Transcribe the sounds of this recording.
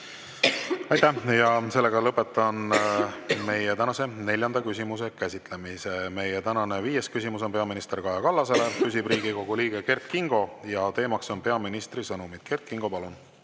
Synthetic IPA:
ɑjt̪æjɑse̞lːe̞ɡɑlɤpːˑet̪ːˑɑn | me̞jet̪ænɑse̞ne̞lʲjɑnd̪ɑkysʲimuse̞kæsʲit̪ˑle̞miseme̞jet̪ænɑne̞viːje̞skysʲimus̬o̞npe̞ɑminist̪e̞rkɑjɑkɑlːɑse̞le̞kysib̥riːɡiko̞ɡ̥uliːɡ̥eke̞rt̪̚kiŋɡ̥o̞jɑt̪e̞ːmɑkso̞npe̞ɑminist̪risɤnumid̪̥ke̞rt̪̚kiŋɡ̥o̞pɑlun

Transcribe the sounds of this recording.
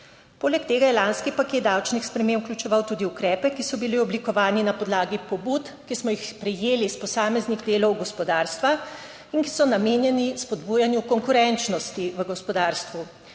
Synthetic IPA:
poːlɛkt̪eːɡajɛlanskipaket̪̚d̪awt͡ʃnixspɾɛmeːmuklʲjut͡ʃɛʋawt̪uːd̪iukɾɛːpɛkisɔbiliɔblikɔʋaːninapɔd̪laːɡipɔbuːt̪ | kismɔjixpɾɛjeːlispɔsaːmɛzniɣd̪eːlɔwɡɔspɔd̪aːɾst̪ʋa | iŋki̥sɔnameːnjɛnispɔd̪buːjanjukɔŋkuɾɛnt͡ʃnɔst̪iʋəɡɔspɔd̪aːɾst̪ʋu

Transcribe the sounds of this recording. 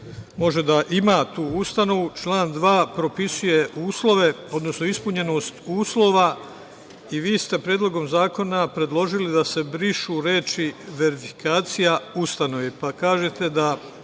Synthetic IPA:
mo̞ʒe̞d̪aʔimaːt̪uːust̪ano̞ʋut͡ʃlˠaːnd̪ʋaːpɾo̞pisuje̞ʔuːslˠo̞ʋe̞o̞d̪no̞sno̞ispuɲe̞no̞ːst̪uːslˠo̞ːʋa | iʋiːst̪e̞pɾjeːd̪loɡo̞mzaːko̞napɾe̞d̪lˠo̞ʒilid̪ase̞bɾiʃuːɾe̞ːt͡ʃiʋeɾifi̥kaːt̪sijaust̪ano̞ʋepakaːʒe̞t̪e̞d̪a

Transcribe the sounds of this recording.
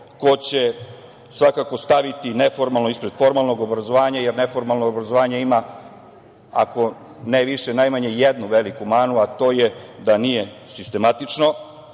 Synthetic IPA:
ko̞t͡ɕe̞ | sʋakako̞st̪aʋit̪ine̞fo̞ɾmalˠno̞ispɾe̞d̪̥fo̞ɾmalˠno̞ɡo̞bɾazoʋaːɲajeɾne̞fo̞ɾmalˠnoːbɾazoʋaːɲaima | a̰ko̞ | neʋiʃenajmaɲe̞jed̪nuʋe̞likumaːnuat̪o̞ːje̞d̪anije̞sist̪e̞mat̪it͡ʂno̞

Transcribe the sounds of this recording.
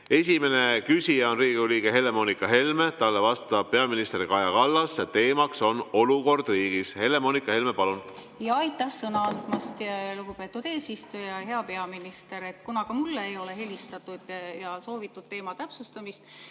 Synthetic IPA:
e̞s̬ʲime̞nekysʲijɑonriːɡ̥iuliːɡeɦe̞le̞moːnikːˑɑɦe̞lme̞t̪ɑlːe̞vɑst̪ɑb̥̚pe̞ɑminist̪eɾikɑjɑkɑlːɑsjɑt̪e̞ːmɑkso̞no̞luko̞rd̪̥riːɡ̥ishe̞le̞mo̞ːnikːˑɑhe̞lmepɑlun | jɑɑjt̪ːˑɑhsɤnɑɑnd̪̥mɑst̪jluɡ̥upe̞ːt̪ːˑud̪̥e̞ːsist̪ujɑɦe̞ɑpe̞ɑminist̪e̞ɾet̪ːkunɑkɑmulːeejo̞le̞he̞lʲist̪ɑt̪ːˑud̪̥jɑso̞ːvit̪ːˑud̥̪̚t̪e̞ːmɑt̪æpsust̪ɑmist̪

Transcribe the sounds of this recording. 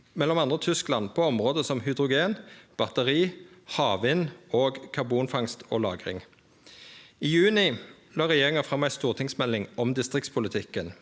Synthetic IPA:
mɛlːɔmɑnd̪ʁət̪ʰʏsklɑnpʰoːɔmʁoːd̪əsɔmhʏd̪ʁʊɡeːnb̥ɑt̪əʁiːhɑːʋɪnoːɡkʰɑʁbuːnfɑŋst̪ʰo̰ːlɑ̰ːɡʁɪ̰ŋ | iːjʉːnɪ | lɑːʁɛjeːʁɪŋɑfʁɑmːæɪst̪uːʁt̪ʰɪŋsmɛlːɪŋɔmd̪ɪst̪ʁɪkt̪spʰʊlət̪ʰɪkːən

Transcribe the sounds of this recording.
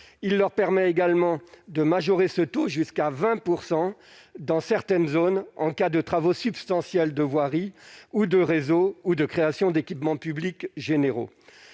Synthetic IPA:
ilːœʁpɛʁmɛeɡalmɑ̃d̪əmaʒɔʁesət̪oʒyskavɛ̃puʁsɑ̃d̪ɑ̃sɛʁt̪ɛnzonɑ̰̃kad̪ət̪χavosypst̪ɑ̃sjɛld̪əvwaʁiud̪əʁezoud̪əkχeasjɔ̃d̪ekʲipmɑ̃pyblikʒeneʁo̰

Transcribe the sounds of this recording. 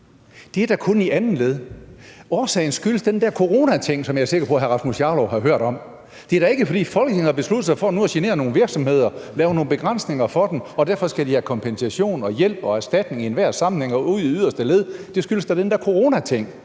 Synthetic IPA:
d̥e̝æɐd̥ækʰoɔniʔænn̩leð̞̩ˠɒːsɛ̰ːɪnsɡ̥yləsd̥end̥æɐ̰kʰo̝ʁo̝ːnæt͡sʰeŋ̰sɒ̽mjɑ̈æɐse̝ɡ̥ɐpʰɔ̽ɦæɐʁɑ̈smusjɑ̈ːlɒɦɑ̈ɦøɐ̰ɾ̥ɒ̽m | d̥e̝æɐɾɑ̈e̝ɡ̥əfɒ̽d̥ḭːfɒ̽lɡ̥ne̝ŋ̩hɑ̈b̥e̝sluð̥̩sɑ̈ɪfɒ̽ːnuɐɕene̝̰ːɐno̝ːn̩ʋiɐɡ̥sɒ̽mhe̝ð̞̰ˠɐlɛːʊno̝ːn̩b̥e̝ɡ̥ʁɑn̰sne̝ŋɐfɒ̽d̥emɒ̽d̥æɐfɒ̽sɡ̥æd̥ihækʰɒ̽mpʰensæɕo̝̰ːnɒ̽jel̰b̥ɒ̽æsd̥æd̥ne̝ŋienʋæɐ̰sɑ̈mn̩heŋɒuð̰ˠiyðˠɐsd̥əleðˠd̥e̝sɡ̥yləsd̥ɑd̥end̥æɐkʰo̝ʁo̝ːnæt͡sʰeŋ̰

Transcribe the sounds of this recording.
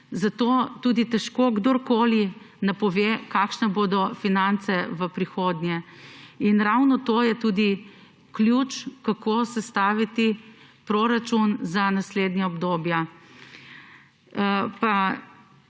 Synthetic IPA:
zat̪oːt̪uːd̪it̪ɛʃkoɡd̪oɾkoːli | napɔʋekaːkʃnɛboːd̪ɔfinant̪sɛʋəpɾixoːd̪njɛinɾawnɔt̪oːjɛt̪uːd̪i | kljut͡ʃkakosɛst̪aːʋit̪i | pɾoɾat͡ʃunzanasleːd̪nɲaɔbd̪oːbja | pa

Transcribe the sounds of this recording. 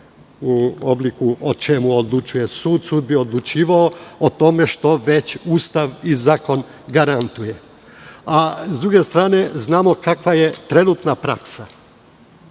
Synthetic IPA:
uoblˠikuot͡ʃe̞muod̪lˠut͡ʃuje̞suːd̪suːd̪̚bio̞d̪lˠut͡ʃiːʋaoot̪o̞me̞ʃt̪o̞ʋe̞t͡ɕuːst̪aʋizaːko̞n | ɡaɾant̪uje̞ | azd̪ɾuɡe̞st̪ɾaːne̞znaːmo̞kakʋaje̞t̪ɾe̞nuːt̪napɾa̰ksa

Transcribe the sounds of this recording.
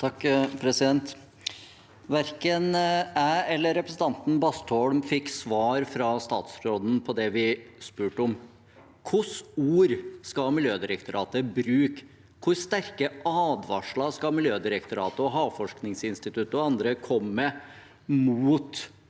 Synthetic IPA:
t̪ʰɑkːpʰɾɛsɪd̪ɛnt̪ | ʋæɾkənæːɛlːəɾɛpɾəsn̩t̪ɑnt̪n̩bɑst̪ɔɽmfɪkːsʋɑːɾfɾɑst̪ɑ̰ːt̪sɾoːd̪n̩pʰɔd̪ɛʋɪspʉːʈəɔm | kʰʊsuːɾskɑmɪljøːd̪ɪɾəkt̪ʊɾɑ̰ːt̪əbɾʉːk | kʰʊɾst̪æɾkəʔɑːd̪ʋɑ̰ʂɭɑskɑmɪljøːd̪ɪɾəkt̪ʊɾɑ̰ːt̪əɔɦɑːfɔʂknɪŋsɪnst̪ɪt̪ʰʉt̪ːəɔɑnd̪ɾəkʰɔmːə | muːt̪

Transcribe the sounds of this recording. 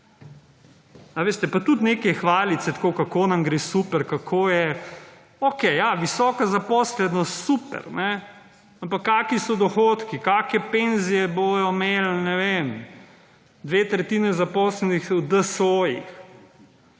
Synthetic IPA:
aʋeːst̪ɛpat̪ut̪nekɛxʋaːlit̪sɛt̪koːkakonamɡɾeːsupɛɾkakʰoːjɛ | okɛjjaʋisɔːkazapɔːslɛd̪nɔst̪supɛ̰ɾnɛ | ampakːaːkisɔd̪ɔxoːt̪kikaːkɛpenzijɛbojɔmeːlnɛʋeːm | d̪ʋeːt̪ɾɛt̪iːnɛzapɔːslɛnixud̪əsoːjḭx

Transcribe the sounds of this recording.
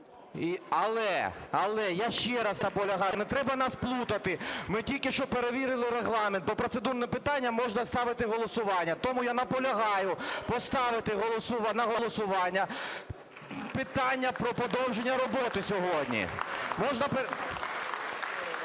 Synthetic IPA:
iɐlˠɛ̰ɐlˠɛjaʃt͡ʃɛɾɐsnɐpɔlʲɐɦɑjnɛt̪ɾɛbɐnɑsplˠut̪ɐt̪ɪmɪtʲilʲkɪʃt͡ʃɔpeɾeʋʲiɾɪlˠɪɾeɦlˠɑment̪bɔpɾɔt̪sed̪urnɛpɪt̪ɑnʲːɐmɔʒnɐst̪ɑʋɪt̪ɪɦɔlˠɔsʊʋɑnʲːɐt̪ɔmʊjanɐpɔlʲɐɦɑjʊpɔst̪ɑʋɪt̪ɪɦɔlˠɔsʊʋnɐɦɔlˠɔsʊʋɑnʲːɐ | pɪt̪ɑnʲːɐpɾɔpɔd̪ɔwʒenʲːɐɾɔbɔt̪ɪsʲɔɦɔdʲnʲḭmɔʒnɐpe

